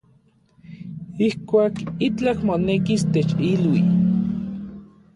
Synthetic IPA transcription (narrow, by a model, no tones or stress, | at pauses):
ihkʷaːkit͡ɬakmonekist̪et͡ʃilwi